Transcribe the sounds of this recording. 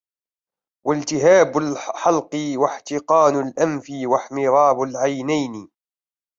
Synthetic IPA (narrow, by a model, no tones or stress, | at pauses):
walt̪ɪɦaːbalħɑlqɨwaħt̪ɪqɑːnalʔamfiwaħmɪɾˤɑːbalʕajnajn